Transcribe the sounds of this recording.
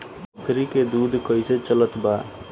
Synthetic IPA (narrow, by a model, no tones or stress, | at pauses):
kʰɾiked̪ud̪ʱkəjset͡ʃələt̪ba